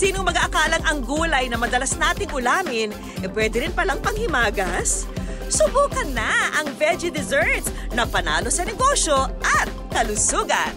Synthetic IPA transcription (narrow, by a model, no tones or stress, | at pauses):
siːnoŋmɐɡaʔɐkaːlɐŋɐŋɡuːlɐjnɐmɐd̪ɐlɐsnaːt̪ɪŋʊlaːmɪn | ʔɛpwɛːd̪ɛɾɪnpɐlɐŋpɐŋhɪmaːɡɐs | sʊbuːkɐnːɐʔɐŋvɛd͡ʒɪd̪ɛzɛɹt̪snɐpɐna̰ːlo̞sɐnɛɡo̞ʃo̞ʔɐt̪̚kɐlʊsuːɡɐ̰n